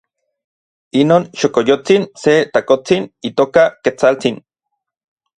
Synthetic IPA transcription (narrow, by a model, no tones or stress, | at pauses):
inoːnʃokojot͡sinset̪akot͡sinit̪oːkaket͡salt͡sin